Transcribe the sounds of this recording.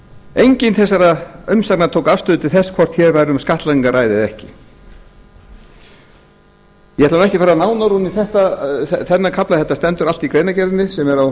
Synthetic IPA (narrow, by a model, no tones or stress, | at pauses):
ejɲcɪnθɛsːaɾaʏmsaknat̪ʰowkavst̪ʏðʏt̪ʰɪlθɛskʰvɔr̥t̪çɛɾvajɾʏmskaht̪laiŋkaɾraːjðɪðɛhcɪ | jɛhɛt̪anɛhcɪfɛːɾanaːwnaɾuniθɛht̪aɛθɛnːakʰaplaθɛht̪ːast̪ɛnt̪ʏɾal̥t̪ikɾejnacɛɾt̪nɪsɛmɛɾaw